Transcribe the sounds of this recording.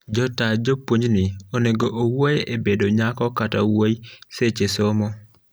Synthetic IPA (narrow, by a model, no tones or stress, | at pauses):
d͡ʒɔtad͡ʒopwoɲd͡ʒnɪoneɡoʔowojebedoɲakɔkatawojiset͡ʃesomɔ